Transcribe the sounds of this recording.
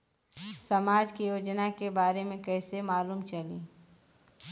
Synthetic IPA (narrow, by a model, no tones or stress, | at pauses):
sɐmaːd͡ʒkijoːd͡ʒnakebaːɾemẽkɛːsemaːluːmt͡ʃɐliː